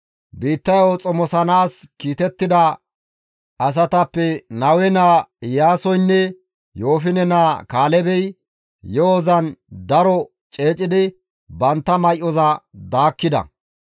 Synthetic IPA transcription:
biːt̪ːɐjɔt͡sʼɔmɔsɐnaːskiːt̪ɛt̪ːɪd̪ɐ | ɐs̬ɐt̪ɐpːɛnɐwɛnaːjaːsɔjnːɛ | jo̞ːfɪnɛnaːkaːlɛbɛj | jɔɔzɐnd̪ɐɾɔ | t͡ʃʼe̞ːt͡ʃʼɪd̪ɪ | bɐnt̪ːɐmɐjʔɔzɐd̪aːkːɪd̪ɐ̰

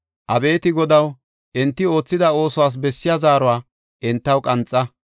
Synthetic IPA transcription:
ʔɐbe̞ːt̪ɪɡɔd̪ɐw | ʔɪnt̪ːɪo̞ːt͡sːɪd̪ɐo̞ːsɔwaːs̬bɛsːɪjazaːɾɔwaː | ʔɪnt̪ːɐwkʼɐnt͡sʼːɐ

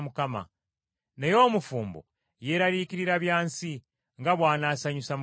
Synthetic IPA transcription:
mukama̰ | nejo̞ːmufuːmbo̰ | je̞ɾaɾiːciɾiɾaβjaːnsi | ŋɡaβwaːnaːsaɲusam

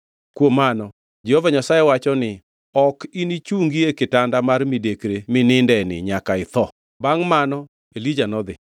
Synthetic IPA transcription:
kwomanɔ | d͡ʒɛhovaɲasajɛwat͡ʃɔnɪ | ɔkinit͡ʃuŋɡiekɪtandamarmidekɾemɪnɪndɛnɪ̰ɲakaɪt̪ɔ | baŋmanɔ | elid͡ʒanɔd̪ɪ

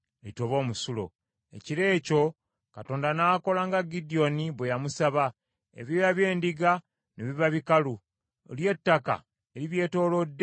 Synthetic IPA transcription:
litoβo̞ːmusulo̰ | e̞̰ciɾe̞ːco̞ | kato̞ːndanako̞laŋɡaɡidio̞niβwe̞jamusaβa | ḛβjojaβje̞ːndiɡa | neβiβaβikalu | o̰lje̞tːaka̰ | eɾiβje̞ːto̞ːlo̞dː

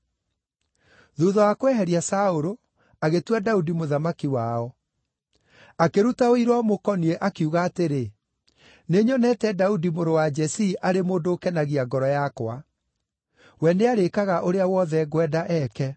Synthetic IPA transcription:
ðuðɔwakwɛɦɛɾiasaoɾo | aɣetwadaudimoðamakiwaːɔ | akeɾutaoiɾwɔmokɔniɛʔakiuɣaːteɾe | neɲɔnɛtɛdaudimoɾowad͡ʒɛsiːʔaɾemoːndoːkɛnaɣiaɡɔɾɔjakwa | wɛneaɾekaɣaʔoɾeawɔðɛɣwɛdaʔɛkɛ

